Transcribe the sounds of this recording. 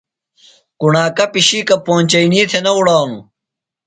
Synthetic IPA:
kuɳaːkɐpiɕiːkɐpõːnt͡ɕɐiniːt̪ʰenɐuɽaːnu

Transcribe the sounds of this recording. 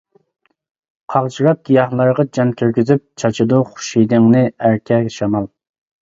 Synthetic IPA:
qʰɑʁt͡ʃʰiɾɑp̚ɡ̥ʲijɑχlˠɑɾʁɑd͡ʒɑnkʲʰøɾɡʲyzyp̚t͡ʃʰɑt͡ʃʰɨd̪ʊχu̥ʃijd̪ɨŋnɨæɾkʲʰɛʃɑmɑlˠ

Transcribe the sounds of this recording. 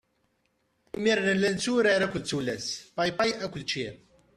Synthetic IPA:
imiɾnənlænt͡sːuɾaɾækʷːəlt͡sːulæspajpajækʷːʊlt͡ʃːiɾ

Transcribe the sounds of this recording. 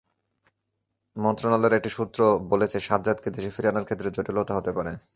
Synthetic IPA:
mɔnt̪ɾonaleɾek̚ʈiʃut̪ːɾobolet͡ɕʰeʃat̪̚d͡ʑat̪ked̪eʃefiɾanaɾkʰet̪ːɾed͡ʑoʈilot̪aɦot̪epaɾe

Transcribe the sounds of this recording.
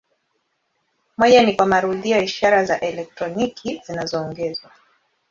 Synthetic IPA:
mɔjanikwamaɾuðiɔiʃaɾazaʔɛlɛk̚tɾɔnikʰizinazɔːŋɡɛzwa

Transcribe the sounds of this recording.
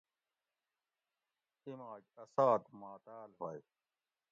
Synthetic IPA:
imaːd͡ʑɐsaːt̪maːt̪aːlɦoj

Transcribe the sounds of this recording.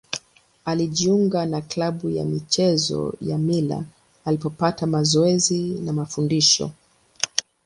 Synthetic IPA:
aliʄiuŋɡanaklaɓuja̰mit͡ʃɛzɔ̰jamila̰ː | lipɔpatamazɔɛzinamafundiʃɔ̰

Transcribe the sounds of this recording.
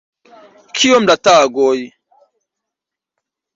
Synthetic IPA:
kʰijɔm̩dataɡɔji

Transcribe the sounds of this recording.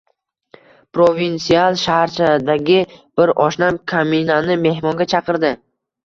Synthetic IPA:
pɾovint̪sialˠʃahɾt͡ʃʰad̪aɡʲɪb̥ɪɾɒʃnamkʰaminanɪme̞hmɒŋɡʲat͡ʃʰɑqɨɾd̪ɪ

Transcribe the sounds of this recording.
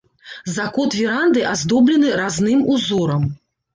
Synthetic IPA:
zakɔt̪vʲiɾand̪ɨʔazd̪ɔblʲinɨɾaznɨmuzɔɾɐm

